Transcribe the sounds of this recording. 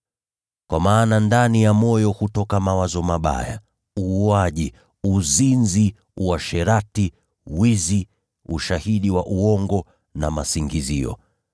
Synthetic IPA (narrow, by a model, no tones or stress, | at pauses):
kwamaːnandanijamɔjɔhutɔkamawazɔmaɓa̰ja̰ | uuaʄi | uzinzi | waʃɛɾati | wizi | uʃahiɗiwaʔuɔŋɡɔ | na̰masiŋɡiziɔ̰